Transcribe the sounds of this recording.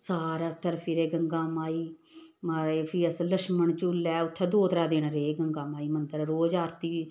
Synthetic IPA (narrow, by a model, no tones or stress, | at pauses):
saːɾaːt̪ʰːəɾpʰiɾeːɡəŋɡaːmaːiː | maːɾeːpʰiːəsləʃməɳt͡ʃʊːlːɛːʊt̪ʰːɛ̃ːd̪oːt̪ɾaːd̪eːnaɾeːɡəŋɡaːmaːiːmənd̪əɾɾoːd͡ʒaːɾt̪iː